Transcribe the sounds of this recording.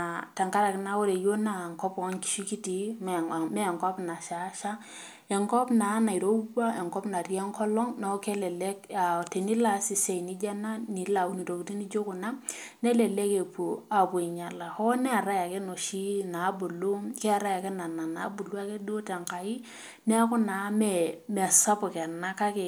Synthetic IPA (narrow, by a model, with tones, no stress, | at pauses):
a˨ta˨ŋka˦ɾa˨kɪ˦na˦wo˦ɾe˨jo˦na˦˨ŋkɔ˦pɔ˦ŋki̥˦ʃi˦ki˦ti˨˦m˨mɛ˦˨ŋkɔ˦pna˨ʃa˨˦ʃa˦ | ɛ˨ŋkɔ˦pna˨˦na˨i˨ɾo˦ba˦e˨ŋkɔ˦pna˨ɾi˦ɛ˦ŋkɔ˦lɔ˦ŋna˨˦ke˦lɛ˨le˦ka˨te˨ni˦la˨sɪ˨se˨jni˦d͡ʒa˦na˦nɪ˨la˨u˦ni˨ɾo˨ku˨ti˦ni˦d͡ʒo˦kʊ˨na˦ne˦le˨le˦ke˨pu˨a˨pwi˨ɲa˨la˨hɔ˦nɛ˦a˨ɾa˦ja˨kɛ˦no˨ʃi˦na˨˦bu˨lu˦kɛ˦a˨ɾa˦ja˨kɛ˦na˨na˨na˨˦bu˨lu˦a˦ke˦du˦tɛ˨ŋka˨ɪ˦ | nɛ˦a˦kʊ˦na˨˦mɛ˨mɛ˨sa˦pʊ˨kɛ˨na˦ka˦ke˨